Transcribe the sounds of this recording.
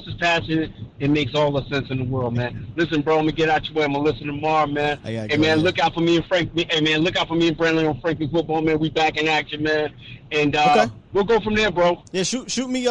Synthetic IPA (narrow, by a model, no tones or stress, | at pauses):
ʒ̥ʌspʰæsɨ̃nɨɾɨt̚meɪksɔlˠðəsɛ̃nsɨ̃nðəwɜ˞lˠd̚mæ̃nlɪsɨ̃nbɹoʊlɛmiɡɛɾaʊtʰəweɪ̃malɪsɨ̃ntʰɨmɑɹmæ̃neɪmæ̃nlʊkaʊtfə˞miɨ̃nfɹæ̃ŋk̚miʔeɪmæ̃nlʊkaʊtfə˞miɨ̃nbɹæ̃nlˠɪ̃ŋə̃nfɹæ̃ŋklifʊt̚b̥ɔlˠmæ̃nwibækɨ̃næk̚ʃə̃mæ̃nɨ̃nʌ | wilˠɡoʊfɹʌ̃mðə˞bɹoʊjæʃuʃutmi